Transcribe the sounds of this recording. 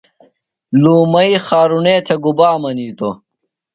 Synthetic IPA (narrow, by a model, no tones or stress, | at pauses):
luːmɐixaːɾuneːt̪ʰeɡubaːmɐniːt̪o